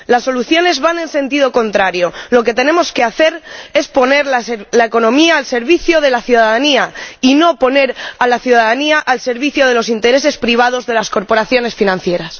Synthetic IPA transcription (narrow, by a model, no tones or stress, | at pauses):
lasːo̞luθjo̞ne̞zβanẽ̞nsẽ̞nt̪ið̞o̞ko̞nt̪ɾaɾjo̞lo̞ke̞t̪e̞ne̞mo̞ske̞aθe̞ɾe̞spo̞ne̞ɾlalaeko̞nõ̞miaːlse̞ɾβiθjoð̞e̞laθjuðaðaniaino̞po̞ne̞ɾalaθjuðaðaniaʔalse̞ɾβiθjoð̞e̞lo̞sint̪e̞ɾe̞s̬e̞spɾiβ̞að̞o̞zðe̞lasko̞ɾpoɾaθjo̞ne̞sfinãn̟θje̞ɾas